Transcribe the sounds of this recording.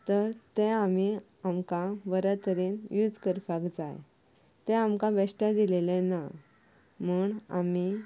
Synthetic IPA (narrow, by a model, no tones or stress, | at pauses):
t̪əɾt̪ɛ̃ami | amkãʋəɾət̪əɾiːnjud͡zʱkəɾfakd͡za̰j | t̪ɛ̃amkãʋɛɕʈãd̪ilelɛ̃na | muːɳa̰mi